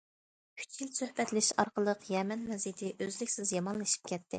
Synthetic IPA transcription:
y̥t͡ʃʰjilsøhbɛt̪lɪʃɑ̰ɾqəlˠəqjɛmɛnmɛzit̪ʰɪʔøzlɪkʲsɪzjɑmɑnlˠɨʃi̥p̚kʲʰɛt̪ʰːɪ

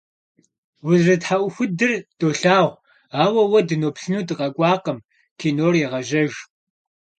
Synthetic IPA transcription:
wʊzrɨtħaʔʷʊxʷʊdɨrd̥oːɬaːʁʷ | aːwɐwɐdɨnoːpɬɨnuːdɨqʼɐkʷʼɑːqəm | kʰiːnoːrjɛʁɐʒɐʒ

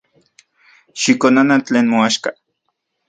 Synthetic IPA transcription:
ʃikonanat͡ɬeːnmoaʃka

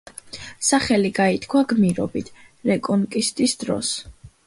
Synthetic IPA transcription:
saχɛliɡait̪ʰkʰwaɡmiɾɔbit̪ʰ | ɾɛkʼɔnkʼist̪ʼisd̪̥ɾɔ̰s

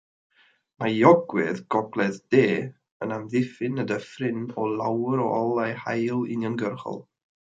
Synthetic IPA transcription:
majɔɡwɛðɡɔɡlˠɛðd̥eː | ənamðɪfɪnədəfrɪnɔlˠawəɾɔʔɔlˠajhajlˠɪ̰njɔnɡərχɔ̰lˠ

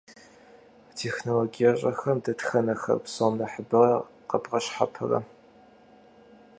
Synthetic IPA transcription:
tʰeːxnoloɡijɐɕʼɐxɐmdɐtxɐnɐxɐ̰rpsomnɐħəbɨrɐ | qɐpqɐɕħa̰pʰɐ̰rɐ̰

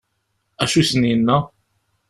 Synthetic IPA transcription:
æʃusəninːæ

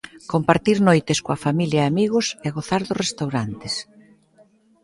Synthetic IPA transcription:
kompaɾt̪iɾnojt̪ɪskoɐfamiljɐeamiɣʊsɛɣoθaɾðʊsrest̪awɾant̪ɪs

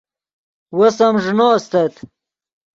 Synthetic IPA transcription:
wɐsɐmʐnoːst̪ɐt̪

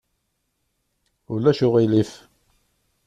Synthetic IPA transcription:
ʊlːæʃʊʁilif

